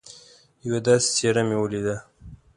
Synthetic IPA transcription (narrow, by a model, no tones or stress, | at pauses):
jawed̪ɑse̥t͡seɾamewəlid̪a